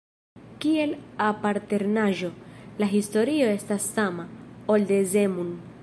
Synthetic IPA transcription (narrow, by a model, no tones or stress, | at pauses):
kie̞lapaɾte̞ɾnaʒo̞laɦisto̞ɾio̞e̞stasːamaolde̞ze̞mun